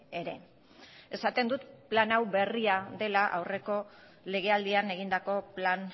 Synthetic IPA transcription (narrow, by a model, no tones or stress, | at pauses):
eɾe̞ | e̞sat̪e̞nd̪ut̪planawbe̞riaðe̞laʔa̰wre̞ko̞ | le̞ɣ̞e̞ald̪iane̞ɣ̞ind̪ako̞plan